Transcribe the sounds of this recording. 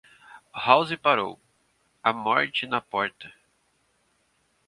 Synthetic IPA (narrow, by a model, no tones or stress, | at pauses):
hawzɪpaɾo̰w | ɐmɔ̰ɾt͡ʃɪnɐpɔɾt̪ɐ